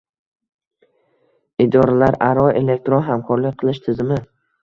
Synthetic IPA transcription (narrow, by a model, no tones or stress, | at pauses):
ɪd̪ɒɾalaɾaɾɒe̞le̞k̚t̪ɾonɦamkʰɒɾlɪk̚ʲqʰɨlˠɪʃt̪ʰɪzɪmɪ